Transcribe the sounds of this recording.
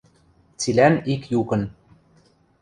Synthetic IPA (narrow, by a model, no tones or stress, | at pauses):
t͡silænikjukɤ̆n